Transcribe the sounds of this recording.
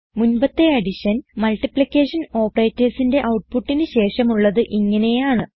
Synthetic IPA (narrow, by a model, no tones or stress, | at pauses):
munbɐt̪ːeɐɽiɕɐnmɐlʈːipɭikʲːe̞ːʂɐno̞ːpːɐrejtːɐrsinde̞ʔɐwʈ̚puʈːinɨɕe̞ːʂɐmuɭːɐðɨʔiŋːɐne̞jaːɳɨ